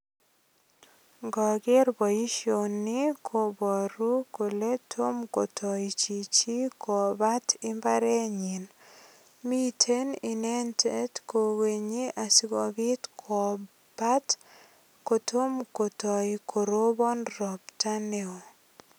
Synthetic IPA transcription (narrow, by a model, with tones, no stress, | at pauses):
ŋɡɔ˨ɡɪ˦rbɔ˨i˦ʃo˨nːi˦kʰo˨bɔ˨ɾu˦ko˨le˦tʰo˦mko˨tʰɔ˨it͡ʃi˨t͡ʃi˦kɔ˨ba˦tɪ˦mba˦ɾe˦ɲi˨n | mi˦tʰe˦ni˨ne˦nte˦tko˨we˨ɲi˦ʔa˨si˦ɡɔ˨bɪ˦tkʰɔ˨ | b̥a˦t | ko˨to˦mko˨tɔ˨ikʰo˨ɾo˦bɔ˦nɾɔ˨pta˦ne˦o˨